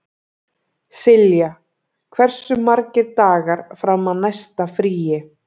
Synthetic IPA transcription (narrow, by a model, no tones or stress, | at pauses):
sɪlja | kʰvɛr̥sʏmːaɾcɪɾt̪aːɣaɾfɾamaðnajst̪afɾiːjɪ